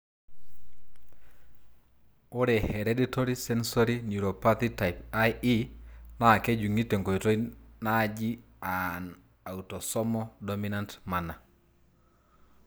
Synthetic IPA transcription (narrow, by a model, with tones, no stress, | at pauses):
o˦ɾe˨he˨ɾeditoɾisɛ˦nsoɾinu˨ɾopat̪ita˨jpaji˦na˦˨ke˦d͡ʒu˨ŋi˦te˨ŋɡo˨ito˦ina˦d͡ʒi˦ | an | a˨utɔ˨sɔ˦mɔ˦dominantma˨na˨